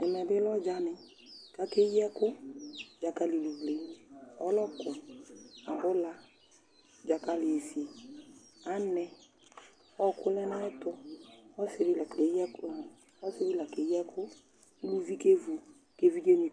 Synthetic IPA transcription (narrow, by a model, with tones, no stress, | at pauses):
ɛ˨mɛ˨bɪ˦lɔ˦d͡ʒa˦nɪ˨ | ka˦ke˦jɛ˦kʊ˦d͡ʒa˨ka˦lɪ˨lu˨vle˨n˦ɔ˦lɔ˦kʊ˨a˨bʊ˦la˦ | d͡ʒa˨ka˦lɪ˨e˨si˨e˨ | a˨˦nɛ˨ | ɔ˦˨kʊ˦lɛ˦na˦ɛ˦tʊ˦ɔ˦sɪ˨ɾɪ˦la˨ke˨˦jɛ˦k | ɔ˦sɪ˦ɾɪ˦la˨ke˨˦jɛ˦kʰʊ˦ | lu˦vi˦ke˦vu˨ | ke˦vi˦d͡ʒe˦ni˨